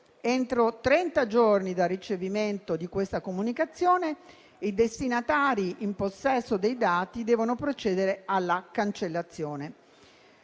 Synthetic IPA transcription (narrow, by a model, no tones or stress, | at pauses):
ent̪ɾot̪ɾɛnt̪ad͡ʒornid̪arːit͡ʃeviment̪od̪ikwest̪akomunikat̪sːjoːne | id̪est̪inat̪aːɾiʔimposːɛsːod̪ejd̪aːt̪id̪ɛːvonopɾot͡ʃɛːd̪eɾealːakant͡ʃelːat̪sːjoːne